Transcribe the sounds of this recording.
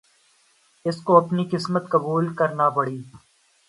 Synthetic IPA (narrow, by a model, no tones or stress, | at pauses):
ɪskoɐpnikɪsmət̪̚kɐbuːlkɐɾnapɐɽiː